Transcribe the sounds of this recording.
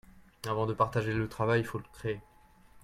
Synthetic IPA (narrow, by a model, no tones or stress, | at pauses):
avɑ̃d̪əpaʁt̪aʒelət̪χavajilfoləkχeː